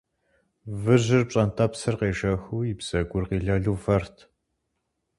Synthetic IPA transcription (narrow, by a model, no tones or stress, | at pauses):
vɨʑɪrpɕʼɐntʰɐpsɨrqeːʒɐxuːjɪbz̥ɐɡʷʊrqiːɮɐɮuːvɐrtʰ